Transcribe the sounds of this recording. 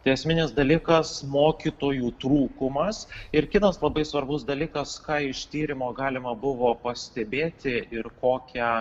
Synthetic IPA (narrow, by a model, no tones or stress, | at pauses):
t̪ɐɪɛsʲmʲɪnʲɪsd̪ɐlʲiːkɐsmoːkʲit̪oːjuːt̪ɾuːkʊmɐsɪɾkʲɪt̪ɐslˠɐbɐɪsʋɐɾbʊsd̪ɐlʲiːkɐskɑːɪʃt̪ʲiːɾʲɪmoːɡɑːlʲɪmɐbʊʋoːpɐsʲt̪ʲɛbʲeːt̪ʲɪɪɾkoːkʲɛ